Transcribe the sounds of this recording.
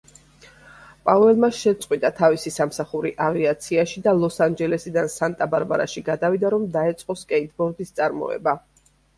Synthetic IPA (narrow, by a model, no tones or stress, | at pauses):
pʼavɛlˠmaʃɛt̪sʼqʼwit̪ʼat̪ʰavisisamsaχuɾiʔaviat̪sʰiaʃid̪alˠɔsand͡ʒɛlɛsid̪ansant̪ʼabaɾbaɾa̰ʃiɡad̪avid̪aɾɔmd̪aɛt̪sʼqʼɔskʼɛit̪ʰbɔɾd̪ist̪sʼaɾmɔ̰ɛ̰ba